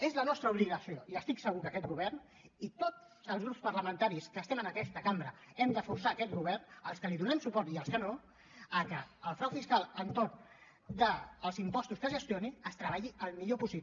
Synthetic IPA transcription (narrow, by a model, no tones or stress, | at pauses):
ezlənɔst̪ɾəuβliɣəsioiəst̪iksəɣukəkɛt̪̚ɡuβ̞ɛrn | it̪ot | zəlˠzɣɾupspəɾləmənt̪aɾiskəːst̪ɛmənəkɛst̪əkambɾəɛmd̪əfuɾsaːkɛt̪̚ɣuβɛrnəlˠskəliðunɛmsupɔrt̪iəlˠskəno | əkəːlˠfɾawfiskalˠənt̪orn | d̪əːlˠzimpɔst̪uskəʒəst̪ioniəst̪ɾəβaʎiʔəlˠmiʎopusi